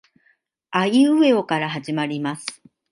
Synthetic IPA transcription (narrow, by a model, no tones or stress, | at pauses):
aiɯe̞o̞kaɾaɦaʑimaɾʲimasɨ̥